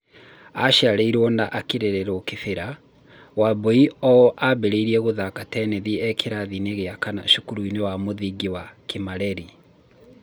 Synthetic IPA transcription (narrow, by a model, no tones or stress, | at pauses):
aʃaɾeiɾwɔnaʔakeɾeɾeɾɔkefeɾa | waboiɔʔabeɾeiɾiɛɣoðakatɛneðiɛkʰeɾaðineɣeakana̰ʃukuɾuinewamoðiɡiwakemaɾɛɾi